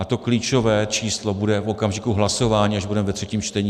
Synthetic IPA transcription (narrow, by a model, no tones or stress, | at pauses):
ʔat̪o̞kliːt͡ʃo̞vɛːt͡ʃiːslo̞budɛfʔo̞kamʒɪkuɦlaso̞vaːɲiːaʒbudɛmɛvɛt̪r̥ɛciːmt͡ʃt̪ɛɲiː